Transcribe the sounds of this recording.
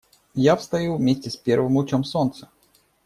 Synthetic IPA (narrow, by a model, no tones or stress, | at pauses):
jafst̪ɐjuvmʲesʲtʲɪspʲervɨmʊt͡ɕomso̞nt̪sə̥